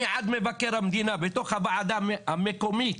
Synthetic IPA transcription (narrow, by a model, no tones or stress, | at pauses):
ʕad̪mevakːeɾamd̪iːnabet̪oxavaʕad̪amamekomi